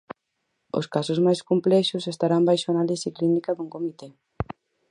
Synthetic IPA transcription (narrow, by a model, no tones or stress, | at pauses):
o̰skasʊzmajskomplɛʃʊsest̪aɾambajʃʊanalisiklinikaðuŋkomit̪e